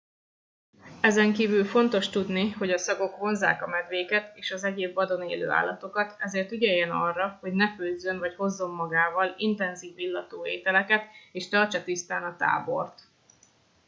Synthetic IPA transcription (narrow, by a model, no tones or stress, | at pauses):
ɛzɛŋkiːvylfo̞nt̪o̞ʃt̪ud̪niho̞ɟɒsɒɡo̞kʋo̞nza̰ːkɒmɛd̪ʋeːkɛt̪eːʃɒzɛɟeːbvɒd̪o̞nḛːlø̰ːa̰ːlːɒt̪o̞kɒt̪ʰɛzeːrt̪yɟɛjːɛnɒrːɒho̞ɟnɛføzønvɒcho̞zːo̞mːɒɡaːvɒlint̪ɛnziːvːilːɒt̪oːeːt̪ɛlɛkɛt̪eːʃt̪ɒrt͡ʃɒt̪ist̪aːnɒt̪a̰ːbo̞̰rt̪